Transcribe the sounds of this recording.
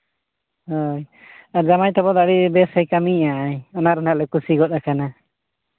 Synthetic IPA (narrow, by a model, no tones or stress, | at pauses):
ɦɔj | aɾzamajt̪ɔbɔd̪aɽibɛsajkamiaʔajɔnaɾɔnaʔlɛkusiɡɔt̪̚akana